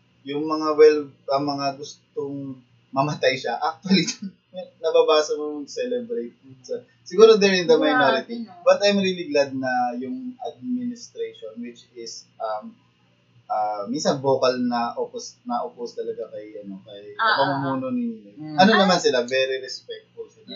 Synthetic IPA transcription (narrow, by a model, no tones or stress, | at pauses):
jʊŋmɐŋawɛlʔɐmɐŋaɡʊst̪oŋ | mɐmɐt̪ajʃaʔak̚t̪ʊɐli | nɐbabaːsɐnʊjʊŋsɛlɛbɾejt̪̚ud̪sɐ | sɪɡuːɾod̪ɛɾɪnt̪ɐmɐjmɛɾɪt̪ɪŋbɐt̪ɐjmɾiːlɪɡlad̪̚nɐjʊŋʔɐ̰d̪̚mɪnɪst̪ɾejʃonwɪt͡ʃɪsʔɐm | ʔɐminsɐnbo̞ːkɐlnɐʔoposnɐʔopʊst̪ɐlɐɡakɐjʔɐno̞kɐmɐmumuːnonɪnoʔɐnonɐmansɪlavɛɾiɾɛspɛk̚t̪̚fʊlsɪla